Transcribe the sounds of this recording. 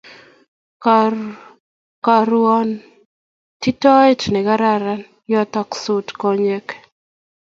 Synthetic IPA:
k | ka˨ɾuɔ˦n | ti˦tɔ˦ɛ˦tnɪ˨ɡa˦ɾa˦ɾa˦n | jɔ˦t̪ɔ˦ksu˨tkɔɲe˦k

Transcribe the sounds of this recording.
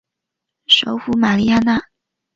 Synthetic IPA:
ʂo˧˥ʊxu˧˥ma˨˩li˥˧ja˥na˥˩

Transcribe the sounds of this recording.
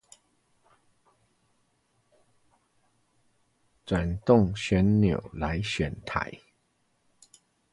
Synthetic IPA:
t͡swa˨˩nt̪ʊ˥˨ŋɕɥɛ˨˥nnjo˨˩ʊla˧˦ɪɕɥɛ˨˩nt̪ʰa̰˨˩˦ɪ

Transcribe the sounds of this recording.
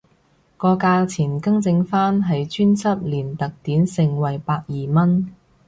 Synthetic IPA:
kɔː˧kaː˧t͡sʰiː˨˩nkɐ˥ŋt͡sɪ˧ŋfaː˥nɦɐ˨jt͡ʃyː˥nt͡sʰɐ˥p̚liː˨˩nt̪ɐ˨k̚t̪iː˨˥nsɪ˨ŋwɐ˨˩jpaː˧k̚jiː˨˩mɐ˥n

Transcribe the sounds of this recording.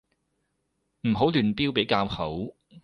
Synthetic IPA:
m̩˨˩ɦo˨˥wlyː˨˩npiː˥wpe˨˥jkaː˧whɐ˨˥w

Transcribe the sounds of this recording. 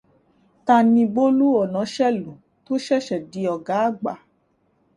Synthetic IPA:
ta˧nĩ˧bo˦lu˦ɔ˨nã˨˦ʃɛ˦˨lu˨ | to˦ʃɛ˦˨ʃɛ˨di˨˦ɔ˨ɡa˨˦a˦˨ɡ͡ba˨

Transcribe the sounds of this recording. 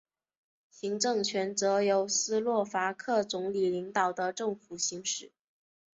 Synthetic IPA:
ɕi˧˥ŋʈ͡ʂɤ˥˩ŋt͡ɕʰɥɛ˧˥nt͡sɤ˧˥jo˧˥ʊsɹ̩˥lwɔ˥˩fa˧˥kʰɤ˥˩t͡sʊ˧˥ŋli˨˩li˧˥ŋt̪ɑ˨˩ʊd̪ə˦ʈ͡ʂɤ˥˩ŋfu˨˩ɕi˧˥ŋʂɻ̩˥˩˦

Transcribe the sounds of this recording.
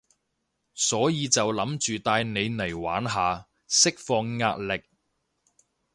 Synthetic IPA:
sɔː˨˥jiː˨˧t͡sɐ˨wlɐ˨˥mt͡ʃyː˨t̪aː˧jne˨˧jnɐ˨˩jwaː˨˥nɦaː˨˧ | sɪ˥k̚fɔː˧ŋːa̰ː˧t̚lɪ˨k̚

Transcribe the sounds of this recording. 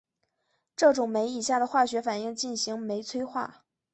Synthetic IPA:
ʈ͡ʂɤ˥˩ʈ͡ʂʊ˨˩ŋme˧˥ɪi˨˩ɕja˥˩d̪ə˩xwa˥˩ɕɥɛ˧˥fa˨˩ni˥˧ŋt͡ɕi˥˩nɕi˧˥ŋme˧˥ɪt͡sʰwe˥ɪxwa̰˥˩

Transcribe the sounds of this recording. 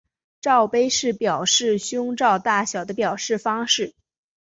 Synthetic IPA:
ʈ͡ʂɑ˥˩ʊpe˥ɪʂɻ̩˥˩pjɑ˨˩ʊʂɻ̩˥˩ɕjʊ˥ŋʈ͡ʂɑ˥˧ʊt̪a˥˩ɕjɑ˨˩ʊd̪ə˦pjɑ˨˩ʊʂɻ̩˥˩fɑ˥ŋʂɻ̩˥˩

